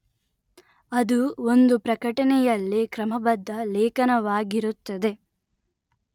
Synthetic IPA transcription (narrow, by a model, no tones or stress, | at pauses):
ɐd̪uond̪upɾɐkɐʈɐnɛjɐlːikɾɐmɐbɐd̪ʱːɐlɛːkɐnɐʋaːɡiɾut̪ːɐd̪e̞